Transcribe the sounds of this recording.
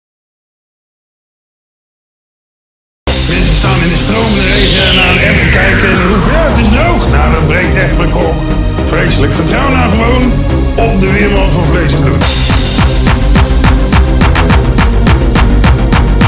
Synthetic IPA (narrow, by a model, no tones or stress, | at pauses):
mɪnsəstaːnɪndəstrowməndərejzənaːdəɛntəkɛjkənɦupaːətɪsdowχnaːdətbrɛjk̚tɛχt̚mɛjkɔlˠk | frejsələkfərtrʌwənaːɹχəown | ɔp̚dəʋɪːɾɔlˠtvɑnvlejsəblut